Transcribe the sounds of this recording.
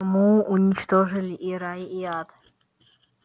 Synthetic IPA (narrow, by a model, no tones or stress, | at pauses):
muːɲʲit͡ʃt̪ɔʐɨlʲiʔiɾaiiad̪